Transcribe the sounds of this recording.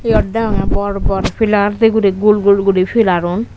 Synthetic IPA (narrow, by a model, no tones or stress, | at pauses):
ejɔɖːaɔŋabɔɾbɔɾpilaɾt̪eɡuɾiɡulɡulɡuɾipʰilaɾon